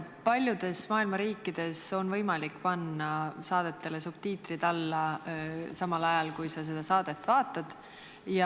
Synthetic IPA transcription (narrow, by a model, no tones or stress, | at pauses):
pɑlʲjud̪̥e̞smɑːilmɑɾiːkːˑid̪̥e̞so̞nvɤ̞jmɑlikːpɑnːɑsɑːd̪̥e̞t̪ːˑe̞le̞sub̥̚t̪iːt̪rid̪̥ɑlːɑ | sɑmɑlɑjɑlkujsɑs̬e̞d̪̥ɑsɑːd̪̥e̞t̪ːˑvɑːt̪ːˑɑd̪̥ | jɑ